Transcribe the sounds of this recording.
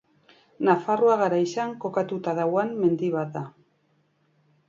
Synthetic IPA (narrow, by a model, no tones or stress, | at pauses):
nafaruaɣaɾajsaŋko̞kat̪ut̪aðawanme̞nd̪iβat̪d̪a